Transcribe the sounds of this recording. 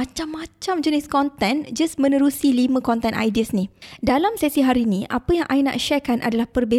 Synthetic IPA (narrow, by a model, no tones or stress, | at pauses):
at͡ʃamːãt͡ʃamd͡ʒəniskɔnt̪ɛ̃nd͡ʒasmə̃nəɾusilimə̃kɔnt̪ɛnʔa̰jdiəsnidalamsɛsiɦaɾinĩʔa̰pəjaŋʔajna̰ʔʃɛkanʔa̰dalahpərbe